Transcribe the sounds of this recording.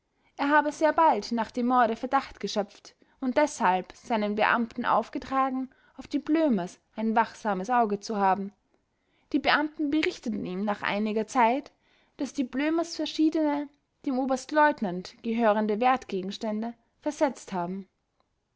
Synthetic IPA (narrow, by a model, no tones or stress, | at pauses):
ʔeːɐɦaːbəzeːɐbaltnaːχd̥eːmːɔɐɾəfɛɐdaχtɡ̥əʃœp͡ft | ʊnt̚d̥ɛshalpz̥aɪnənbəʔa̰mtn̩ʔa̰ʊfɡ̥ətʁ̥aːɡŋ̩ | aʊfd̥iːbløːmɐsʔaɪnvaχz̥aːməsʔaʊɡət͡suhaːbm̩ | d̥iːbəʔamtn̩bəʁɪçtətn̩iːmnaːχʔa̰ɪnɪɡɐt͡saɪt | d̥asd̥iːbløːmɐsfɛɐʃiːdənə | d̥eːmʔoːbɐstlɔʏtnantɡ̥əɦøːʁəndəvɛɐtɡ̥eːɡŋ̩ʃtɛndə | fɛɐzɛt͡sthaːbm̩